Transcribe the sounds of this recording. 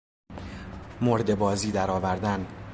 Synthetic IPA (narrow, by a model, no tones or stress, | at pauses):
moɾd̪e̞bɒːziːd̪æɾɒːvæɾd̪æn